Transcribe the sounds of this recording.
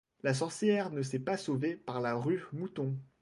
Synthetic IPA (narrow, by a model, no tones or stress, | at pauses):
las̬ɔʁsjɛʁnəs̬ɛpasovepaʁlaʁymut̪ɔ̃